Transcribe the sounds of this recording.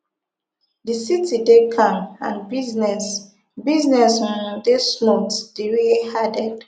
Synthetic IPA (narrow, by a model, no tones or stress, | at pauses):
disitʰidekʰãmã̰nbiznɛs | biznɛsdesmotd̥eɹihadɛd̥